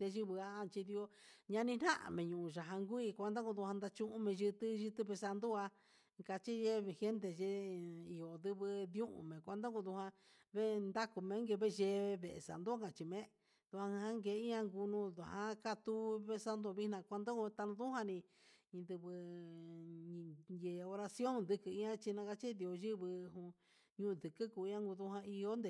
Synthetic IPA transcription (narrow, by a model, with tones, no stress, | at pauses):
t̪e˧ʒi˧βɨ˧a˧˦˧t͡ʃi˧ði˧o˧ɲã˧nĩ˧n̥ã˦ʔa̰˨mẽ˨ɲũ˨ũ˧˨ʒa˨ɦã˧ŋɡʷu˦i˧kʷa˧nd̪a˦ku˧ðu˧hã˧nd̪a˧t͡ʃũ˧ʔũ˦mẽ˧ʒɨ˧t̪ɨ˦ʒɨ˧t̪ɨ˧βe˧sa˧nd̪u˦a˧ | ka˧t͡ʃi˦ʒe˦βhe˦nd̪e˧ʒe˧˦i˨o˨nd̪ɨ˧βɨ˧ðũ˦ʔṵ̃˧˨mẽ˨kʷa˧nd̪o˦ku˧ðu˧hã˧ | βe˦nd̪a˦ku˧mẽ˧˦ŋɡe˧βe˦˧ʒe˧βe˨ḛ˨sa̰˨nd̪u˦kã˨t͡ʃi˧mẽ˦ | ð̥u˧hã˧ã˧hã˦ŋɡe˧˨˦i˦ɲã˧ŋɡu˧nũ˦˧ðu˨hã˦ka˦t̪u˦βe˦sa˧nd̪o˧βi˦nã˧kʷa˧nd̪o˦u˧t̪a˧nũ˧ðu˦hã˧nĩ˧ĩ˧d̪ɨ˧βɨ˧ | je˨˧o˧ɾa˧sjo˦nd̪ɨ˧kɨ˧˨i˦ã˦t͡ʃi˧nã˧ka˧t͡ʃi˦d̪i˧˨o˧ʒi˦βɨ˧ɦũ˧ | ɲũ˧d̪ɨ˨kɨ˦ku˨˧˦ã˦ŋɡu˧ðu˧hã˧i˧o˦nd̪e˨